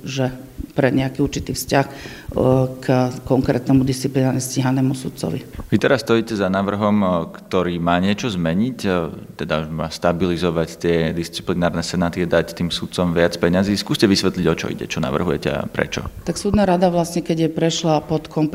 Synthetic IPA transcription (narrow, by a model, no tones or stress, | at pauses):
ʒɛpɾɛɲɛakiːuɾt͡ʃit̪iːfscax | kkɔŋkɾɛ̰ːt̪nɛmud̪ist͡siplinaɾɲɛsciːɦanɛːmusut̪̚t͡sɔ̰ʋḭʋit̪ɛɾasːt̪ɔjiːcɛzanaːʋr̩ɦɔmkt̪ɔɾiːmaːɲɪɛt͡ʃɔzmɛɲictt̪ɛd̪auʒmaːst̪abilizɔʋact̪ɪɛd̪ist͡si̥plinaːɾnɛsɛnaːt̪iad̪act̪iːmsut̪̚t͡sɔmʋɪat͡spɛɲaziːskuːscɛʋisʋɛt̪liɟɔt͡ʃɔ̰ḭɟɛ̰t͡ʃɔna̰ʋr̩ɦujɛcɛ̰a̰pɾɛ̰t͡ʃɔ̰t̪aksuːd̪naɾad̪aʋlasɲɛkɛɟjɛpɾɛʃlapɔt̪kʰɔmp